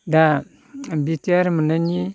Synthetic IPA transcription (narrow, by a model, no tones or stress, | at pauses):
da | bitiaɾmunani